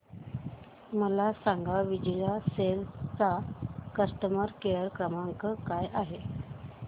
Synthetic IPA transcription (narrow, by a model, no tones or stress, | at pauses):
məlasaŋɡaʋid͡ʑəlaselt͡sakəsʈəməɾkeəɾkɾəmaŋkəkajʔaɦe